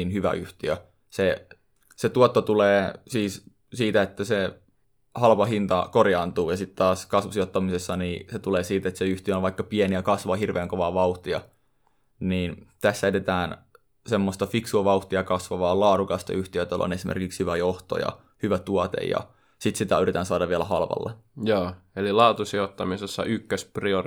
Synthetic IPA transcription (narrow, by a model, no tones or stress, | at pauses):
inhyʋæ̰ʔyht̪iø | se | set̪uɑt̪ːot̪uleːsiːs | siːt̪æet̪ːæse | hɑlpɑɦint̪ɑkorjɑːnt̪uːjɑsit̪t̪ɑːskɑsʋusiot̪ːɑmisesːɑniːset̪uleːsiːt̪et̪seyht̪iøoʋʋɑikːɑpieniækɑsʋɑːhirʋʔeːŋkoʋɑːʋɑuht̪iɑ̰ | niːnt̪æsːæet̪et̪æːn | semːost̪ɑfiksuɑʋɑuht̪iɑkɑsʋɑʋɑːlɑːɾukɑst̪ɑ̰yht̪iøt̪ælo̰nesimʔḛrkikshyʋæjoht̪o̰jɑ̰ | hyʋæt̪uɑt̪ḛjɑ̰ | sit̪sit̪æyrit̪ænsɑːdɑʋʋiælæhɑlʋɑ̰lːḛjoːelilɑːt̪usiot̪ːɑmisesːɑ̰ykːøsprio